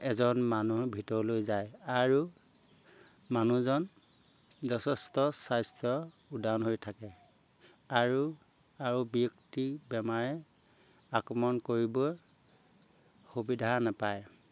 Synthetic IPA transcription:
ɛzɔnmanubʱitɔɹlojzajaɹu | manuzɔn | zɔtʰɛstɔsajstʰjɔ | udanɦojtʰakɛ | aɹu | aɹubiuktibɛmaɹɛ | akɹɔmɔnkoɹibɔ | xubidʱanapaj

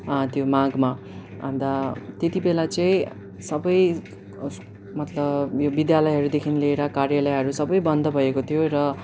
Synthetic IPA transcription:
t̪jomaɡma | ʌ̰nd̪at̪jet̪ibelat͡sʌĩ | sʌbʌj | mʌt̪lʌbjobid̪jalʌjɦʌɾud̪ekʰinileeɾakarjalʌjɦʌɾusʌbʌjbʌnd̪ʌbʱʌjekot̪ʰijoɾʌ

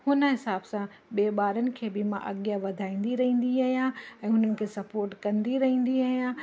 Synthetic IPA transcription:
hʊnə̆ɦɪsaːbsã | ɓeːɓaːɾənɪ̆kʰeːbɪmãʔɐɡjaʋɐd̪ʱaːĩːn̆d̪iɾɐɦĩːnd̪iaːɦijãɛ̃ːɦʊnənɪ̆kʰeːsɐpoːɾʈkɐ̃nd̪iɾɐɦĩːn̆d̪iaːɦijã

